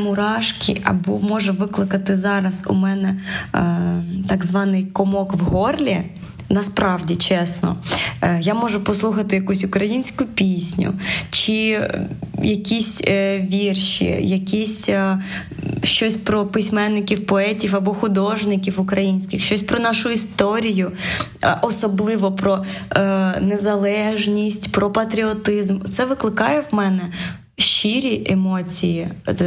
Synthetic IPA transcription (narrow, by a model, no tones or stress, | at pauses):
mʊɾɑʃkʲḭʔɐ̰bɔmɔʒɛʋɪklˠɪkɐt̪ɪzɑɾɐsṵmɛnɛ | t̪ɑɡzʋɑnɪjkɔmɔkʋɦɔrlʲi | nɐspɾɑwdʲit͡ʃɛsnɔ̰jamɔʒʊpɔslˠuxɐt̪ɪjɐkusʲʊkɾɐjinʲsʲkʊpʲisʲnʲʊ̰t͡ʃɪ | jɐkʲisʲʋʲirʃḭjɐkʲisʲ | ʃt͡ʃɔsʲpɾɔpɪsʲmɛnːɪkʲiwpɔɛtʲiwɐbɔxʊd̪ɔʒnɪkʲiwʊkɾɐjinʲsʲkʲɪxʃt͡ʃɔsʲpɾɔnɑʃʊist̪ɔɾʲijʊ | ʔɔsɔblˠɪʋɔpɾɔ | nezɐlˠɛʒnʲisʲtʲpɾɔpɐt̪ɾʲiɔt̪ɪzmt̪sɛʋɪklˠɪkɑjɛwmɛnɛ | ʃt͡ʃiɾʲiʔemɔt͡sʲiji